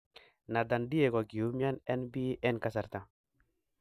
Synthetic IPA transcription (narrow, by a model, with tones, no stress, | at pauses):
na˨da˨ndi˦ɛ˨kɔ˨ɡi˨u˨˦mja˦nɛ˦nbi˦ʔɛ˦nka˦sa˨ɾt̪a˨